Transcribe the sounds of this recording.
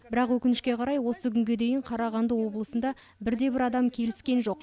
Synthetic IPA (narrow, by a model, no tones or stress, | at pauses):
bɪɾɑqwɵkʲɪnɪʃkʲe̞qʰɑɾɑjwo̞səkʲʰʏŋɡʲe̞d̪e̞jɪɴqʰɑɾɑʁɑnd̪əwo̞blˠəsənd̪ɑ | bɪɾd̪e̞bɪɾɑd̪ɑmkʲʰe̞lɪskʲe̞nʒo̞q